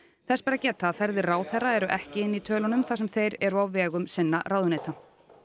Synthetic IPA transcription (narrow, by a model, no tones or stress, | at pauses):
θɛspaːɾacɛːt̪aːðfɛɾðɪraːwθɛraɛɾʏʔɛhcɪɪnːit̪ʰœːlɔnʏmθas̬ɛmθejɾɛɾɔvɛːɣʏmsɪnːa̰raːwðʏneːjt̪a